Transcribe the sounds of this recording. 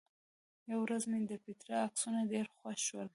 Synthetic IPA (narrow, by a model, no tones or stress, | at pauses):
jawɾazmed̪əpɪt̪ɾaːksunadeɾxwaʃwəl